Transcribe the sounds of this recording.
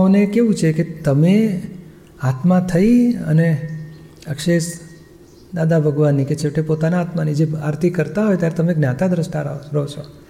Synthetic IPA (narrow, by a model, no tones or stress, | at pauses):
onekeʋũt͡ʃʰeket̪əme | at̪mãt̪ʰəiə̰ne | əkʃeʃ | d̪ad̪abʱəɡʋanːiket͡ʃʰeʋʈepot̪anaat̪manid͡ʒeaɾt̪ikəɾt̪aɦojt̪jaɾet̪əmeɡnãt̪ad̪ɾəʃʈaɾa̰oɾot͡ʃʰo